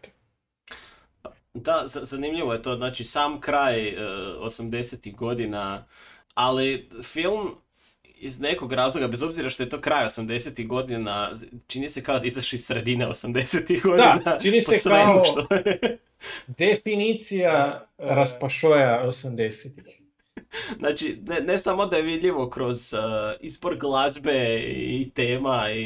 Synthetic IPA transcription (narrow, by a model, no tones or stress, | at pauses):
pa | d̪azazanimʎiʋo̞jet̪o̞znaːt͡ʃisaːmkɾaːjo̰samd̪e̞set̪iɣɡo̞d̪ina | alifilˠm | ḭzne̞koɡɾaːzlˠo̞ɡabe̞zo̞bziɾaʃt̪o̞je̞t̪o̞kɾaːjo̞samd̪e̞set̪iɣɡo̞d̪inat͡ʃinise̞kaod̪aizaʃeissɾe̞d̪ineo̰samd̪eset̪ixɡo̞d̪inat͡ʃinispoesʋemuoʃt̪o | d̪efinit̪sijaɾaspaʃojaosamd̪eset̪ix | znʔat͡ʃinene̞samo̞d̪ajeʋid̪ʎiʋo̞kɾo̞zəizbo̞ɾɡlˠazbe̞it̪e̞ːmai